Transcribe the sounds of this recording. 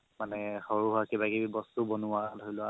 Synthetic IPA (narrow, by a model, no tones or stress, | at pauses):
manɛxɔɹuɦʊakebakeibɔstubɔnʊalʱoilʊa